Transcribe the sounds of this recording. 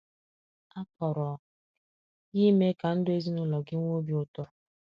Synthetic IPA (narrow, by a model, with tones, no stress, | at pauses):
a˦pɔ˨ɾɔ˨ | ji˦me˦ka˨n̩˦dʊ˦e˦zi˦nʊ˦lɔ˨ɡɪ˦ŋʷo˦bi˦ʊ˦tɔ˦